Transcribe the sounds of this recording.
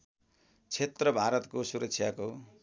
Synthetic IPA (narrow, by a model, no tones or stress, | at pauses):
t͡sʰet̪rʌbʱaɾʌt̪kosuɾʌksʰjako